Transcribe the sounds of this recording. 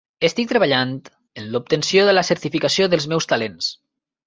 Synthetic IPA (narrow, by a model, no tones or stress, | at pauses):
əst̪ik̚t̪ɾəβaʎant̪ | ənlup̚t̪ənsjoðələsəɾt̪ifikasioðəlˠzmɛwst̪alens